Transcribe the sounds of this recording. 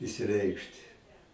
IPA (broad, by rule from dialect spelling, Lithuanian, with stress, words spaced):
ɪʃʲsʲɪˈrʲɛɪkʃʲtʲɪ